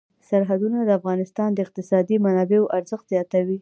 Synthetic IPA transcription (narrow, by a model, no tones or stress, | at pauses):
saɾɦad̪unad̪əafɣɑnɪst̪ɑnd̪əɪq̚t̪ɪsɑd̪imanɑbeoʔaɾzəxt̪z̥jɑt̪awi